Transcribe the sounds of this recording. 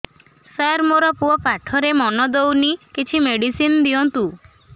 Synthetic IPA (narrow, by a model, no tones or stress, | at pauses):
saɾmoɾɔpuɔpaʈʰɔɾemɔnɔd̪ownikit͡ʃʰimeɽisind̪iɔnt̪u